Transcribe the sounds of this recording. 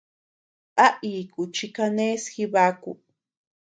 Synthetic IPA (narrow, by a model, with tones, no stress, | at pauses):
ʔa˦ʔi˨ku˨t͡ʃi˧ka˧nẽ˦sxi˧βa˦kṵ˧